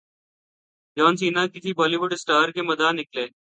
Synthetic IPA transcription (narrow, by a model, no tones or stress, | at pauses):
jɔːnsiːnãːkɪsiːbɔːliːʋʊɖɪsʈaːɾkeːməd̪aːnɪkleː